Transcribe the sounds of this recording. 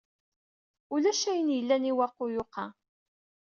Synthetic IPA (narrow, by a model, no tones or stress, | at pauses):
ulæʃæjənjəlːæniwɑqːʊjʊqɑ